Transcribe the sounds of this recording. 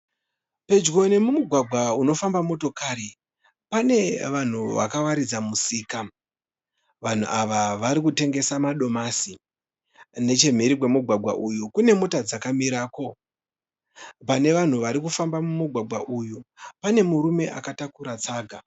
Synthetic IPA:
pe̞d͡ʒɣo̞ne̞mumuɡʱwaɡʱwauno̞fambamo̞to̞kaɾi | pane̞ʋan̤uʋa̰kaʋaɾid͡zamusiːka | ʋan̤ṵʔaʋaʋaɾikute̞ŋɡe̞samaɗo̞masi | ne̞t͡ʃe̞m̤iɾikwe̞muɡʱwaɡʱwa̰ʔujukune̞mo̞tad͡zakamiɾaːko̞ | pane̞ʋan̤uʋaɾikufambamumuɡʱwaɡʱwaʔujupane̞muɾume̞ʔakatakuɾat͡saːɡʱa

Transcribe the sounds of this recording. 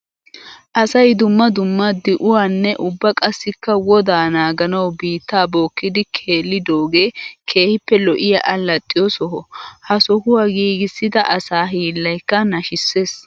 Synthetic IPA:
ʔɐsɐjd̪ʊmːɐd̪ʊmːɐd̪ɪʔʊwaːnːɛʔʊbːɐkʼɐsːɪkːɐwɔd̪aːnaːɡɐnɐwbiːt̪ːaːbo̞ːkːɪd̪ɪkʰeːlːɪd̪oːɡeːkʰe̞ːhɪpːɛlɔʔɪjɐʔɐlɐt̪ʼːɪjɔsɔɦɔhɐsɔhʊwaɡiːɡɪsːɪd̪ɐʔɐsaːɦiːlːɐjkːɐnɐʃɪsːeːs

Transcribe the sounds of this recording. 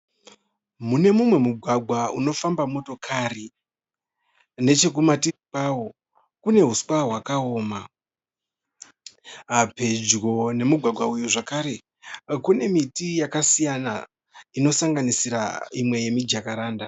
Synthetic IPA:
mune̞mumwe̞muɡʱwaɡʱwauno̞fambamo̞to̞kʰari | ne̞t͡ʃe̞k̬umatiipawo̞ | kune̞ɦuskaɦwakao̞ːma | pe̞d͡ʒɣo̞ne̞muɡʱwaɡʱwaujuʐakaɾe̞ | kune̞mitijakasijana | ino̞saŋɡanisiɾa̰imwe̞je̞mid͡ʒakaɾaːnda

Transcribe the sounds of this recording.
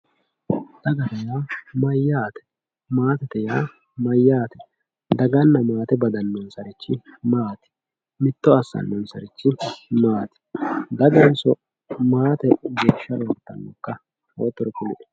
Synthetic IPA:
d̪̥ɐɡɐt̪ɐjaːmɐjːaːt̪ɛ̥ | maːt̪ɛt̪ɛjaː | mɐjːaːt̪ɛ | d̪ɐɡɐnːɐmaːt̪ɛbɐd̪ɐnːɔnsɐɾɪt͡ʃːɪmaːt̪ɪ̥ | mɪt̪ːɔɐsːɐ̰nːɔnsɐɾɪt͡ʃːɪmaːt̪ɪ̥d̪ɐɡɐnsɔ | maːt̪ɛɡe̞ːʃːɐɾoːɾt̪ːɐ̰nːɔkːɐ | o̰ːt̪ːɔɾɔkʊlɪᶑɛ̥

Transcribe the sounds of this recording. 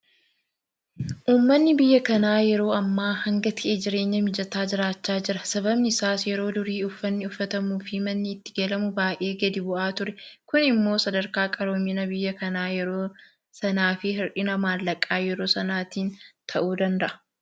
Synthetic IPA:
ʔuːmːɐnːɪbɪjːɐkɐnaːjɛɾo̞ːɐmːaːhɐŋɡɐt̪ʰɪʔeːd͡ʒɪɾe̞ːɲːɐmɪd͡ʒɐt̪aːd͡ʒɪɾaːt͡ʃːaːd͡ʒɪɾɐsɐbɐbnɪɪsaːsjɛɾo̞ːd̪ʊɾiːʊfːɐnːɪʊfːɐt̪ɐmuːfɪmɐnːɪːt̪ːɪ̥ɡelɐmʊbaːjʔeːɡɐd̪ɪbʊʔaːt̪ʊɾɛkʊnɪmːo̞ːsɐd̪ɐɾkaːkʼɐɾoːmːɪnɐbɪjːɐkɐnaːjɛɾoː | sɐnaːfɪɦɪɾʔɪnɐmaːlːɐkʼːaːjɛɾo̞ːsɐnaːt̪iːnt̪ʰɐʔuːd̪ɐnd̪ɐʔɐ̥

